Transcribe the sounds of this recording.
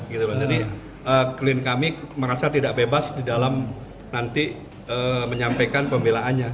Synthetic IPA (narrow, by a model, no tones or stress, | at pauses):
əɡit̪ulad͡ʒadi | ʔəːklɪnkamiməɾasat̪idaʔbebasdidalam | nant̪i | əməɲampajkanpəmbelaʔanɲa